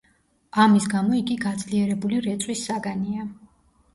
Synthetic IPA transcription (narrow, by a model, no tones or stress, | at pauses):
amisɡamɔiɡiɡad̪zliɛɾɛbuliɾɛt̪sʼwisːaɡania